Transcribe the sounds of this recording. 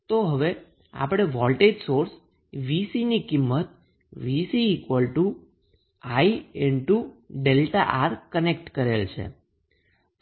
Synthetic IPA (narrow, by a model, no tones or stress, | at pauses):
t̪oɦəʋe | a̰pɽ̃eʋɔlʈed͡ʒsoɾs | ʋisinikimːət̪ | ʋisiːkʋəlʈu | aieɳʈuɖelʈaʔaɾkənekʈkəɾelt͡ʃʰḛ | t̪